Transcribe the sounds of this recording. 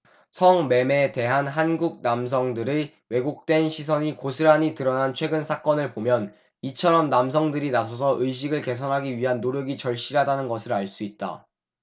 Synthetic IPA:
sʰʌŋme̞me̞te̞ɦanɦanɡuk̚nams̬ʰʌŋdɯɾe | we̞ɡok̚t͈we̞nɕʰis̬ʰʌɲikosʰɯɾɦaɲitɯɾʌnant͡ɕʰwe̞ɡɯnsʰak͈ʌnɯɭpomjʌn | it͡ɕʰʌɾʌmnams̬ʰʌŋdɯɾinasʰʌsʰʌʔɯjɕ̬ʰiɡɯɭke̞s̬ʰʌnɦaɡiɥiɦanːoɾjʌɡit͡ɕʌɭɕ͈iɾɦadanɯnɡʌsʰɯɾaɭs͈uit̚t͈a̰

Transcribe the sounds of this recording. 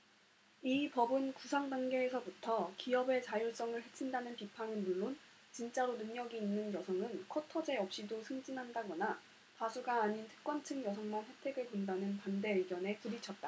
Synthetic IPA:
ipʌbɯnkusʰaŋdaŋɡe̞ːsʰʌbutʰʌkiʌbe̞t͡ɕajoɭs͈ʌŋɯɭhe̞t͡ɕʰindanɯnpipʰanɯnmuɭːon | t͡ɕint͡ɕ͈aɾonɯŋɲʌɡiːnːɯnjʌsʰʌŋɯnkʰʌtʰʌd͡ʑe̞ʌp̚ɕ͈idosʰɯŋd͡ʑinɦandaɡʌna | pasʰuɡaːɲintʰɯ̥k̚k͈wʌnt͡ɕʰɯŋjʌsʰʌŋmanɸwe̞tʰe̞ɡɯɭkondanɯnpande̞ɯɭɡjʌne̞kuɾit͡ɕʰʌt̚t͈a

